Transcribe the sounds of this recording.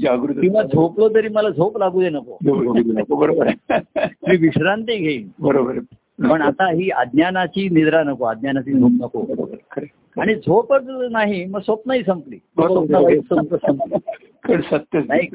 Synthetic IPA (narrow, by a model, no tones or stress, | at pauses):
d͡ʑaɡɾut̪kĩw̃ʋad͡zʱoplot̪əɾiːməlad͡zʱoplaɡuːd̪enəko̰dʱookobəɾobəɾ | miːʋiɕɾant̪iɡʱeiːnbəɾobəɾ | npəɳat̪aɦiːa̰d̪njanat͡ɕiːnid̪ɾanəkoad̪̚njanat͡ɕiːd͡zʱop̚nəkobəɾo̰bəɾkʰəɾe | aɽ̃id͡zʱopət͡snaɦiməɡsəpnaɦiːsəmpliːbəsopnaʋaisəəsəmpli | kəɳsət̪ːjənaɦi